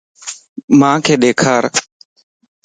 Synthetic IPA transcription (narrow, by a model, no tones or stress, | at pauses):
mãːkʰeːɗeːkʰaːɾ